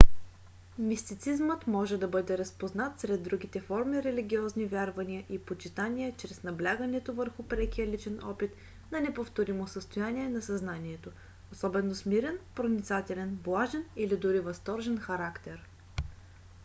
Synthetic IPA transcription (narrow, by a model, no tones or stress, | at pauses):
mist̪it̪sizmət̪mɔʒɛd̪ɐbɤd̪ɛɾɐspoznat̪sɾɛd̪ːɾuɡ̟it̪ɛfɔɾmiɾɛliɡʲiɔznivʲjaɾvɐniəʔipot͡ʃit̪anʲiɛt͡ʃɾɛsnɐblʲaɡənɛt̪ovəɾxʊpɾɛkiəlit͡ʃɛnɔ̰pit̪ | nɐnɛpoft̪oɾimosəst̪ojanʲiɛnɐsɐznanʲiɛt̪o | osɔbɛnːosmiɾɛnpɾonʲit̪sat̪ɛlɛnblˠaʒɛnilid̪ʊɾivɐst̪ɔɾʒɛnxɐɾakt̪ɛɾ